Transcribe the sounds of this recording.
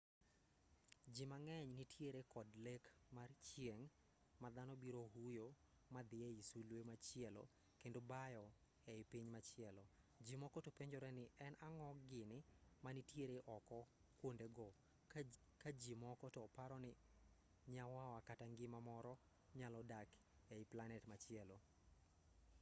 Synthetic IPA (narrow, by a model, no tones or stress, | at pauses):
d͡ʒimaŋɛɲnitʰjeɾekɔdlekmart͡ʃjeŋ | mad̪anɔbiɾoɦujo | mad̪ɪeisulwemat͡ʃɪɛlo̰ | kendobajɔ | ɛɪpiɲmat͡ʃɪɛlɔ | d͡ʒimɔkɔtopeɲd͡ʒɔɾɛnɪʔɛnaŋɔɡɪnɪmanitjeɾeʔɔkɔ | kwondeɡɔ | kad͡ʒimɔkɔtɔpaɾɔnɪ | ɲawawakataŋɡɪmamɔɾɔ | ɲalɔdak | ɛɪplanɛtmat͡ʃɪɛlo